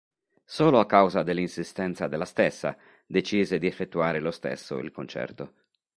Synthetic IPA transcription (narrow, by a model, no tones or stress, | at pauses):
soːloakːawzad̪elːinsist̪ɛnt̪sad̪elːast̪esːa̰ | d̪et͡ʃiːzed̪iefːet̪ːuaːɾelost̪ḛsːo̰ḭlkont͡ʃɛ̰rt̪o